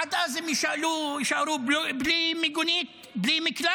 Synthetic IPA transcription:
ad̪ʔazɪmjɪʃʕlujɪʃʕaɾuːbblimɪɡʊniːt̪ | bliːmɪkla

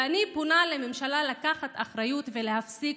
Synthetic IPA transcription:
anipunalememʃalalakaχat̪aχɾajut̪ve̞le̞hafsik

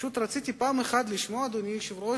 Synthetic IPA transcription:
ut̪ɾat̪t͡sit̪ʲipaːmexad̪liʃmoad̪onʲiʃivɾo

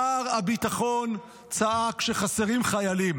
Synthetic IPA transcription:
aʁabit̪aχon | t͡saʔakʃeχaseʁimχajalim

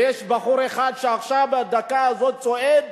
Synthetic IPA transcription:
jɛʃbaχuɾeχad̪ʃeaχʃavad̪akaazot̪̚t͡soʔed̪

